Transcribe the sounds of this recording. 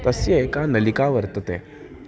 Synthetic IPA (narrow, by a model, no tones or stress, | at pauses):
t̪əsjekanəlikaʋəɾt̪ət̪ḛ